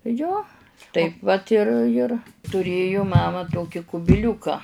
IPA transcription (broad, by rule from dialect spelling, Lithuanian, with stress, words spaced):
ˈjoː ˈtɐɪp ʋɐt ɪr ɪr tʊˈrʲeːjʊ ˈmɑːmɐ ˈtoːkʲɪ kʊbʲɪˈlʲuːkɐ